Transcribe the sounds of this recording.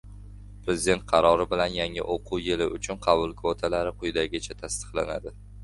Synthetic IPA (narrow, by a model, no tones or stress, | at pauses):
pɾe̞zɪd̪e̞nt̪̚qʰɑɾɒɾɪbɪlanjaŋɪ̰ʔoqʰʊwjɪlɪʊt͡ʃʰʊnqʰɑbʊlˠkʰot̪ʰalaɾɪqʰʊjd̪aɡʲɪt͡ʃʰat̪ʰast̪ɨ̥qlana̰d̪ɪ